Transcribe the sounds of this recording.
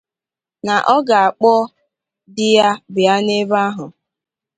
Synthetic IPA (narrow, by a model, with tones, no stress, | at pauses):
na˨ʔɔ˦ɡa˨a˨k͡pɔ˦ | dɪ˦ja˦bɪ˨ja˦ne˦ba˦ɦʊ˨